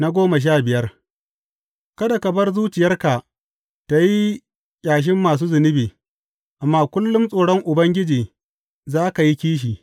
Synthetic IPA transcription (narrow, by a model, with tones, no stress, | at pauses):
na˦ɡʷoː˦mɐ˨ʃ̬aː˦bɪ˨jɐ˦r | kɐ˦da˨kɐ˨bɐ˦rzuː˦t͡ʃɪ˨jɐ˦rka˨ | ta˨ji˦ | kʲʼaː˨ʃ̬ɪ˦mːaː˨s̬uː˦zʊ˨nɪ˦beː˨ | ʔa˨mːaː˦kʷʊ˦lːʊ˦msʼoː˨ɽɔ˦ŋʔʊ˨bɐ˦ŋɡʲɪ˦d͡ʒiː˨ | zaː˦ka˨ji˦kʲiː˦ʃ̬iː˨